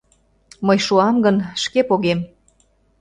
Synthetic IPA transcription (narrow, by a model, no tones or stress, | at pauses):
mɤjʃuɑmɡənʃkepoɣem